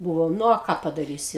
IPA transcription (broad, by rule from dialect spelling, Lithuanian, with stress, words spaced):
ˈbʊʋoːm ˈnʊ oː ˈkɑː pɐdɐˈrʲiːsʲɪ